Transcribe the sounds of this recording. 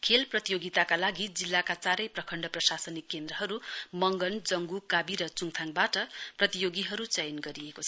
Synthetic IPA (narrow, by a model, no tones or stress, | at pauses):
kʰelprʌt̪ijoɡit̪akalaɡid͡zilːakat͡saɾʌjprʌkʰʌɳɖʌprʌsasʌnikːend̪ɾʌɦʌɾumʌŋɡʌnd͡zʌŋɡukabiɾʌt͡suŋt̪ʰaŋbaʈʌprʌt̪ijoɡiɦʌɾut͡sʌjʌnɡʌɾiekot͡sʰʌ